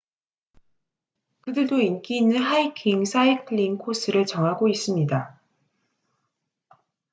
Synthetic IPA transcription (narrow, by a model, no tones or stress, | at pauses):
kɯdɯɭdoink͈iːnːɯnɦaikʰiŋsʰaikʰɯɭiŋkʰosʰɯɾɯɭt͡ɕʌŋɦaɡois͈ɯmɲida